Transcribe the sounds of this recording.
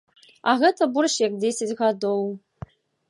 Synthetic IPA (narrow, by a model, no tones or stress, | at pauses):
aɣɛt̪ʰɐburʃjak̚dʲesʲat͡sʲɣad̪ow